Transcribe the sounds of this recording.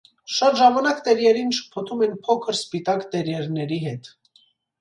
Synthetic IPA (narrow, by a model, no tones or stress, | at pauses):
ʃɑt̪ʒɑmɑnɑkt̪ɛɾjɛɾinʃə̥pʰɔt̪ʰumɛnpʰɔkʰəɾspit̪ɑkt̪ɛɾjɛɾnɛɾiɦɛt̪